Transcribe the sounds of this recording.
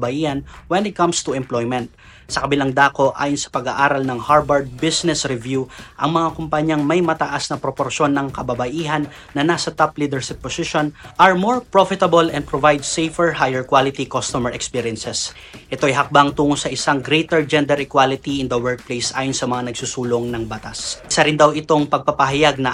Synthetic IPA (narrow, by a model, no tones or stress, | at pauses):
bɐʔiːhɐnwɛnɪt̪̚kɐmst̪uɛmplojmɛnt̪̚ | sɐkɐbɪlaŋd̪aːko̞ʔa̰ːjonsɐ̥pɐɡaʔaːɾɐlnɐŋhaɹbɐɹd̪̚bisnɛsɾɛvjuʔɐŋmɐŋakʊmpɐɲɐŋmɐjmɐt̪ɐʔasnɐpɾopoɾʃo̞nːɐŋkɐbɐbɐʔiːɦɐnːɐnasɐt̪aplid̪ɛɹʃɪpːosiʃonʔɐɹmoɹpɹofɪt̪ɐbolɛnd̪̚pɾovajd̪sejfɛɹɦajɛɹkwalɪt̪ikost̪omɛɹɛkspiɾijɛnsɛs | ʔɛt̪o̞ɐjɦɐk̚baŋt̪uːŋosɐʔɪsaŋɡɾejt̪ɛɹd͡ʒɛnd̪ɛɾɪkwalɪt̪iʔɪnd̪ɐwɛɹk̚plejsʔa̰ːjonsɐmɐŋanɐɡ̚susuːloŋnɐŋbɐt̪asɪsɐɾɪnd̪ɐwɪt̪o̞ŋpɐɡ̚pɐpɐɦajaɡ̚nɐ